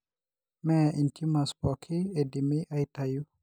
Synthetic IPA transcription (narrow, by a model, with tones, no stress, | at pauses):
mɛʔi˨nti˦ma˨spɔ˨kʰi˦e˨di˨mi˦ʔa˦jt̪a˨ju˦